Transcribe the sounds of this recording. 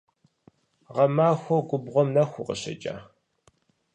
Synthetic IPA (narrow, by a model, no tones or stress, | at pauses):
ʁɐmaːxʷɔɡʷʊbʁʷɔmnɐxʷʊqə̰ɕɐ̰t͡ʃʼa̰ː